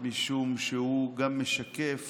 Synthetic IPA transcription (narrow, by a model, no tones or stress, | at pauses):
miʃumʃehuɡamːeʃakef